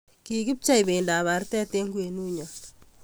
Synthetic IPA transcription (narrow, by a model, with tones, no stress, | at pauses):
ki˨kɪ˦p̚t͡ʃa˦jbe˨nda˨βa˨ɾtɛ˦te˦ŋɡu˦e˨nu˦ɲɔ˨